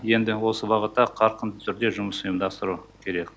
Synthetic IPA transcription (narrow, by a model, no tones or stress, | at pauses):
je̞nd̪ɪwo̞səbɑʁət̪ːɑqʰɑɾqənd̪ət̪ʰʏɾd̪e̞ʒʊməsəəmd̪ɑst̪əɾukʲʰe̞ɾe̞kʲ